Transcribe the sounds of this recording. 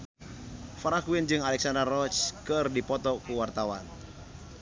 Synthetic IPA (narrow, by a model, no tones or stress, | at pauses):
faɾakuwind͡ʒɨŋalɛksandərɔt͡ʃkɨrdipɔt̪ɔkuwart̪awan